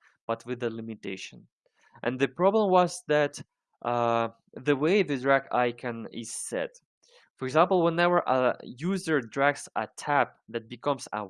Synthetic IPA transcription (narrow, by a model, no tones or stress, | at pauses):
b̥ʌt̚ʰwɨðɨlɪmɨteɪʃɨ̰̃n | ʔɨ̰̃nðɨpɹ̥ɑblə̃mwʌzðɨt̪ | ʔ | ðɨweɪðɨdɹæɡa̰ɪkʰɨ̃nɪ̰z̥sɛ̰t | fɔ˞ɪɡzæ̃mpl̩ˠwɛ̃nɛvə˞ʔə̰juzə˞dɹæɡsətʰæp̚ðɨt̚b̥ɨkʰʌ̃mzə̰